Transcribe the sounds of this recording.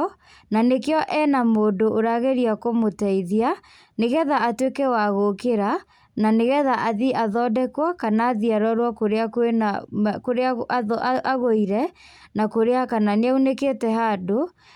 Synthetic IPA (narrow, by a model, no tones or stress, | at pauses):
nanekejɔʔɛnamoːdoʔoɾaɣeɾiakomotɛiðia | neɣɛðaːtwekɛwaɣokeɾa | naneɣɛðaʔaðiʔaðɔːdɛkwakanaːðiaɾɔɾwakoɾeakenakoɾeaaɔaaɣoiɾɛ | nakoɾeakananeauneketɛɦado